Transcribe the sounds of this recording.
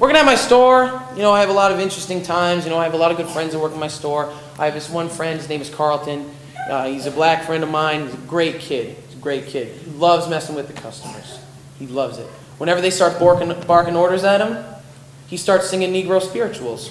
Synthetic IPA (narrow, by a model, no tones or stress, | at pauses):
wɜ˞kɪ̃ŋɨt̚maɪstɔɹjɨnoʊaɪɨvəlɔɾʌvɪ̃nt͡ʃɹ̥ɨstɪ̃ŋtʰãɪ̃mzjɨnoʊaɪɨvəlɔɾʌvɡʊd̥fɹɛ̃ndzəwɜ˞ktmaɪstɔɹ | ʔaɪɨvɪswʌ̃nfɹɛ̃nd̚znẽɪ̃mɨz̥kʰɑɹl̩ˠtʰɨ̃n | izɨblækfɹɛ̃ndʌvmãɪ̃nizɨɡɹeɪt̚kʰɪd̚izɨɡɹeɪt̚kʰɪd̚ilʌvzmɛsə̃m̩wɨðɨkʰʌstəmə̰˞z̥ | ilʌvzɪ̰t̚ | wə̃ñɛvə˞ðeɪstɑɹt̚b̥ɔɹkɪ̃ŋb̥ɑɹkɪ̃ŋɔɹɾə˞zɨɾ̚ə̃m | istɑɹtsɪ̃ŋɪ̃ŋniɡɹoʊspɪɹɨt͡ʃul̩ˠz̥